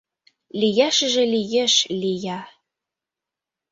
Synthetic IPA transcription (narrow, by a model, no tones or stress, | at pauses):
lʲijɑʃɘ̆ʒĕlʲijɘ̆ʃlʲijɑ